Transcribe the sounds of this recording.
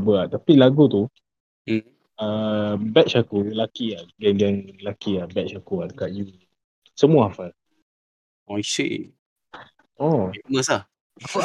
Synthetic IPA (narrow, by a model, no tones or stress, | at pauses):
bəaʔt̪apilaɡut̪u | əbɛʔt͡ʃakulakiaɡɛnɡɛnəlakiabɛʔt͡ʃakuadəkaʔ̪̚ju | səmũaafal | ɔisḛʔ | oiməsah | a